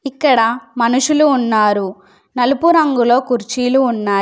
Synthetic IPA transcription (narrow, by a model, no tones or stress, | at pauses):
ikːɐɽɐmɐnuʂuluːnːaːɾu | nɐlupuɾɐŋɡulo̞ːkuɾt͡ʃiːluːnːaː